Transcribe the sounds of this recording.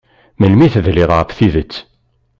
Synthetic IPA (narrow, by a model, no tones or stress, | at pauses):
məlmiθðlɪðˤəfθiðət͡sː